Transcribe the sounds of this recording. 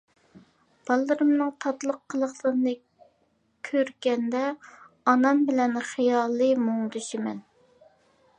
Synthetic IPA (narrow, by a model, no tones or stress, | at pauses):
b̥ɑlˠːɨɾɨmnɨŋt̪ʰɑt̪lˠəqʰːəlˠəχlˠəɾnɨ | kʲʰøɾɡʲɛnd̪ɛ | ɑnɑmbɪlɛnχijɑːlˠɨmoŋd̪uʃimɛn